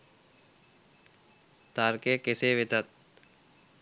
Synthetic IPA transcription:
t̪aɾkekeseːʋet̪at̪̚

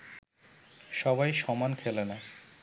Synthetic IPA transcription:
ʃɔbajʃɔmankʰelena

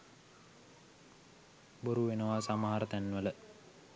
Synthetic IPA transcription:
boɾuʋenəʋasaməɦaɾət̪ænːʋələ

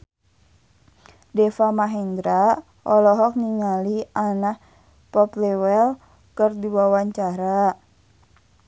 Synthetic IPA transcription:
dɛfamaɦɛnd̪ɾa | ɔlɔɦɔk̚niŋalianah | pɔplɛwɛl | kɨrdiwawaɲt͡ʃaɾa

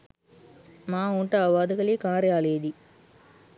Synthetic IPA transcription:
maːuːɳʈaːʋaːd̪ɐkɐliːkaːɾealeːd̪i

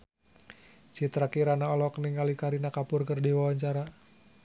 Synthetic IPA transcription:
t͡ʃit̪ɾakiɾanaɔlɔkniŋalikaɾinakapʊrkərdiwawaɲt͡ʃaɾa

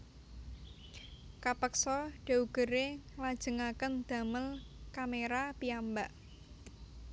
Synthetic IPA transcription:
kapəksɔɖ̥a̤uɡ̥ə̤ɾelad̥ʒ̥ə̤ŋakənd̪̥ä̤məlkameɾapiambaʔ

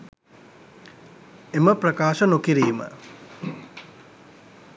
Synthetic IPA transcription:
eməprɐkaːʃənokiɾiːmə̰

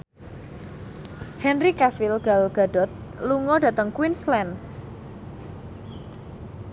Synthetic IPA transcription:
hɛnrikafɪlɡ̥alɡ̥a̤ɖɔ̤t̪̚luŋɔɖ̥a̤t̪əŋkwinslɛn

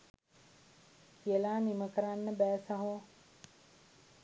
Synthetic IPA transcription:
kʰiəlaːniməkəɾanːəbɛːsaɦo

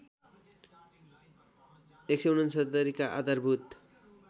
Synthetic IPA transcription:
ekseunʌnsʌd̪ʌɾikaʔa̰d̪arbʱut̪

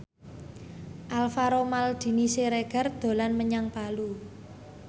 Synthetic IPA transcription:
ʔalfaɾomald̪̥i̤niseɾeɡ̥a̤rd̪̥o̤lanməɲaŋpalu

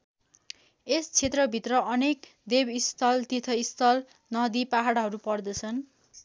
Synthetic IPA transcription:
est͡sʰet̪rʌbʱit̪rʌʔʌnek | d̪ebist̪ʰʌlt̪it̪ʰʌist̪ʰʌl | nʌd̪ipaɦaɽaɦʌɾupʌrd̪ʌt͡sʰʌn

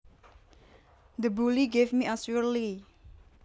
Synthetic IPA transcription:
d̪əbuliɡevmiasuəli

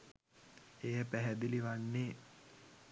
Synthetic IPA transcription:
ejəpæɦæd̪iliʋanːeː

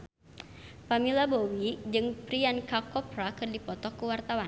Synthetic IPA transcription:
pamilabowid͡ʒɨŋpɾiankakɔpɾakɨrdipɔt̪ɔkəwart̪awan

